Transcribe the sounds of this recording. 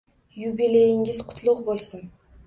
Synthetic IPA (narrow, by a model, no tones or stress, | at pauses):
jubilejɪŋɪzqʰʊ̥t̪ʰlˠʊqbolˠsʊn